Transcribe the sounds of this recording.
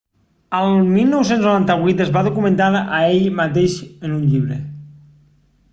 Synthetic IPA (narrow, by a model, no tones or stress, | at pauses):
əlˠmilˠnows̬enznoɾant̪aβijt̪əzβaðukumə̃nt̪aɾaeʎmat̪eʃənuɲʎiβɾə̰